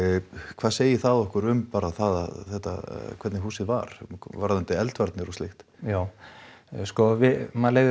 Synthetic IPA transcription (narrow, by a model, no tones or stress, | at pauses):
kʰvaːðseːjɪθaðɔhkʏɾʏmpaːɾaθaða̰θɛht̪a̰kʰvɛɾt̪nɪɦuːsɪðva̰ɾ̥vaɾðanːt̪ɪɛlt̪vaɾt̪nɪɾɔsɪxt̪ | jaːw | skɔvɪmaleːjðɪ